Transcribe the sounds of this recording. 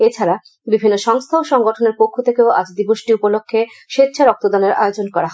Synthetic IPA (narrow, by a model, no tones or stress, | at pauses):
et͡ɕʰaɾa | bibʱinːoʃɔŋst̪ʰaoʃɔŋɡoʈʰoneɾpokʰːot̪ʰekeoa̰d͡ʑd̪iboʃʈiupolokʰːeʃet̪ːɕʰaɾɔk̚t̪od̪ɔneɾʔa̰jod͡ʑonkɔɾaɦɔe